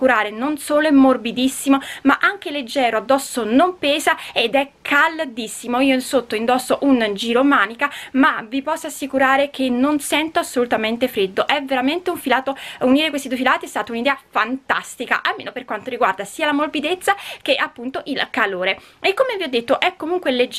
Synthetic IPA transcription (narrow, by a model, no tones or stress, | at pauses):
kuɾaːɾenonsoːloemorbid̪isːimomaʔaŋk̟eled͡ʒːɛːɾoad̪ːɔsːonompɛːzaed̪ɛkʰːald̪isːimoiːoinsot̪ːoind̪ɔsːoʔund͡ʒiːɾomaːnikamavipɔsːoasːikuɾaːɾekʰenːonsɛnt̪oasːolut̪ament̪efɾed̪ːoʔɛveɾament̪euɱfilaːt̪ouniːɾekwest̪id̪uefilaːt̪iɛst̪aːt̪aunid̪ɛːafant̪ast̪ika̰ʔalmeːnoperkwant̪oɾiɡward̪asiːalamorbid̪et̪sːak̟eʔapːunt̪oʔilkaloːɾeekːomeviɔd̪ːet̪ːoʔɛkːomuŋkweled͡ʒ